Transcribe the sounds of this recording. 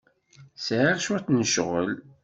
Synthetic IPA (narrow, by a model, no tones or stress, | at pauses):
sʕiʁʃuθnəʃʁə̰l